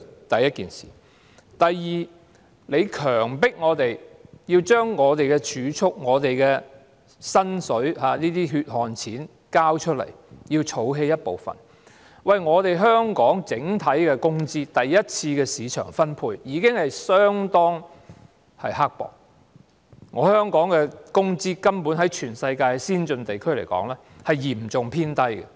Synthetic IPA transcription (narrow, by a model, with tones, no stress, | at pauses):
t̪ɐ˨jːɐ˥t̚kiː˨nsḭː˨˩ | t̪ɐ˨jːiː˨ | le˨˧jkʰœː˨˩ŋpɪ˥k̚ŋɔː˨˧t̪e˨˩jjiː˧wt͡ʃœː˥ŋːɔː˨˧t̪e˨jkɛ˧t͡ʃʰyː˨˧˥t͡ʃʰʊ˥k̚ŋɔː˨˧t̪e˨jkɛː˧ | sɐ˥nsɵ˨˥ɥɦaː˨˧niː˥t̪iː˥ɦyː˧t̚hɔː˨nt͡sʰiː˨˥n | kaː˥wt͡ʃʰɵ˥t̚lɐ̰˨˩jjiː˧wt͡ʃʰo˨˥wɦe˧jːɐ˥t̚po̰˨wfɐ̰˨˩n | wɐ˨jŋɔː˨˧t̪e˨jɦœː˥ŋkɔː˨˥ŋt͡sɪ˨˥ŋt̪ʰɐ˨˥jkɛː˧kʊ˥ŋt͡siː˥t̪ɐ˨jːɐ˥t̚t͡sʰiː˧kɛː˧siː˨˧t͡ʃʰœ̰ː˨˩ŋfɐ˥npʰuː˧jjiː˨˧kɪ˥ŋhɐ˨jsœː˥ŋt̪ɔː˥ŋ | hɐ̰˨jɦaː˥k̚pɔ̰ː˨˩k̚ | ŋɔː˨˧hœː˥ŋkɔː˨˥ŋkɛ˧kʊ˥ŋt͡siː˥kɐ˥mpuː˨˥nɦɐ˨˥jt͡ʃʰyː˨˩nsɐ˧jkaː˧jsiː˥nt͡ʃɵ˧nt̪e˨jkʰɵ˥ɥle˨˩jkɔ̰ː˨˥ŋlɛː˥ | hɐ˨jjiː˨˩mt͡sʊ˨˩ŋpʰiː˥nt̪ɐ˥jkɛ̰˨